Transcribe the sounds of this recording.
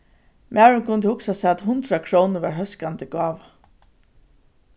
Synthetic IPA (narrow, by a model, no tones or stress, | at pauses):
mʔæːɹʊŋkʰʊnt̪ɪhʊksasɛat̪hʊnt̪ɾakʰɹɔːwnʊɹʋa̰ɹɦœskant̪ɪɡɑːʋ